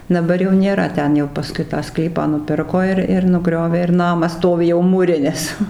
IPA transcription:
dɐˈbɐr jɛʊ nʲeːˈrɐ ˈtʲɛn jɛʊ pɐˈskʊɪ tɑː ˈsklʲiːpɑː nʊˈpʲɪrkoː ɪr ɪr nʊˈɡrʲoːʋʲeː ɪr ˈnɑːmɐs ˈstoːʋʲɪ jɛʊ muːˈrʲɪnʲɪs

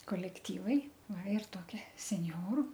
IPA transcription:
koːlʲɛkˈtʲiːʋɐɪ ˈʋɐ ɪr ˈtoːkʲɛ sʲɛnʲˈjoːrʊ

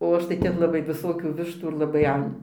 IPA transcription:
oː ˈɐʃ tɐɪ ˈtʲɛn lˠɐˈbɐɪ ʋʲɪˈsoːkʲuː ˈʋʲɪʃtuː ɪr lˠɐˈbɐɪ ˈɐn

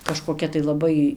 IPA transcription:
kɐʃkoːˈkʲɛ tɐɪ lˠɐˈbɐɪ

